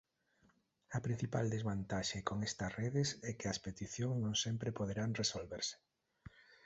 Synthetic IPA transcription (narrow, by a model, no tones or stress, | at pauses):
ɐpɾin̟θipald̪ezβant̪aʃekoŋɛst̪ɐsreðesɛkɪɐspet̪iθjoŋsnõŋsɛmpɾepoðeɾaŋresolβeɾsɪ̥